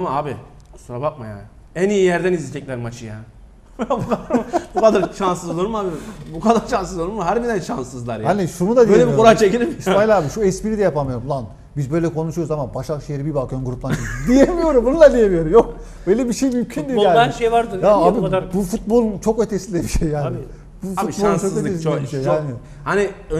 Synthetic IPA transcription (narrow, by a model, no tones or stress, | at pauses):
amaaːbi | suɾabak̚maja̰ːn | ænijijæɾd̪ænizlʲit̪ɛc̚ʲlʲæɾmat͡ʃʰɯja | bukabukʰad̪aɾʃansɯzd̪oɾumaːbibukʰad̪aɾʃansɯzoɾumɦæɾbid̪ænʃansɯzlˠaɾjanisuɾumud̪ad̪iøjelʲebiouɾajat͡ʃʰecilʲimisajlʲˠaːbiʃuɛspiɾid̪ɛjapʰamɯjo̞ɾumlˠan | bizbø̞jlʲɛkʰo̞nuʃujoɾuzamanbaʃakʃejeɾibibakʰønɡuɾuplˠanid̪ijemijo̞ɾumbunulˠad̪ijemijo̞ɾumjo̞k̚ | bøjlʲɛbiʃejmymcʰynd̪iaːʃejvaɾd̪ɯaaːbibufut̪̚bo̞lˠunt͡ʃʰo̞køt̪ʰesild̪ʲebiʃejːaːnɪ | bufut̚bount͡ʃokøesilːbiʃejaːni | haniø